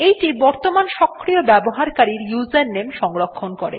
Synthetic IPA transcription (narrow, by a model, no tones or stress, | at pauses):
ejʈibɔɾt̪omanʃɔkʰːɾiobɛboɦaɾkaɾiɾjuzenːemʃɔŋɾokʰːonkoɾḛ